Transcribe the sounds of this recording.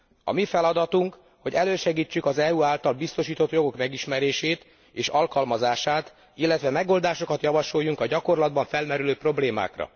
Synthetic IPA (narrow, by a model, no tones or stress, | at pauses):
ɒ̰mifɛlɒd̪ɒt̪uŋk | ho̞ɟɛløːʃɛɡiːt͡ʃːykɒzɛuːaːlt̪ɒlbist̪o̞ʃiːt̪o̞t̪jo̞ɡo̞kmɛɡiʃmɛɾeːʃeːt̪ | eːʃɒlkɒlmɒzaːʃaːt̪ | ilːɛt̪ʋɛmɛɡo̞ld̪aːʃo̞kɒt̪jɒvɒʃo̞jːuŋkɒɟɒko̞rlɒd̪bɒɱfɛlmɛɾyløːpro̞bleːma̰ːkrɒ̰